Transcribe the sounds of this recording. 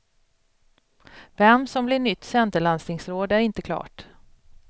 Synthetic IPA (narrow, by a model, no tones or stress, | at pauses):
vɛmsɔmblɪɳʏt̪ːsɛnt̪əɭansnɪŋsɾoːd̪æɾɪnt̪əkʰlɑ̰ːʈ